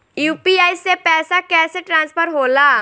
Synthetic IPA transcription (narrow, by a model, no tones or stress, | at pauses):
juːpiaːisepɛːsakɛːseʈɾãːnspʰəɾɦoːlaː